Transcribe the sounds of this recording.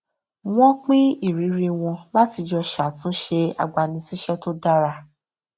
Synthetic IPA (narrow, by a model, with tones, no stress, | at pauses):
w̃ɔ̃˦k͡pĩ˦i˦˨ɾi˨˦ɾi˧w̃ɔ̃˧la˦ti˧d͡ʒɔ˧ʃa˨tũ˦ʃe˧a̰˨ɡ͡ba˨nĩ˧si˦ʃɛ˦to˦da˦ɾa˧